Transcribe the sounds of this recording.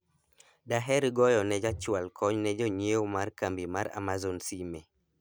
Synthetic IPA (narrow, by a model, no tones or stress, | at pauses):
daɦɛɾɡɔjɔnɛd͡ʒat͡ʃwalkʰɔɲnɛd͡ʒɔɲeomarkambimaɾa̰mazonsimɛ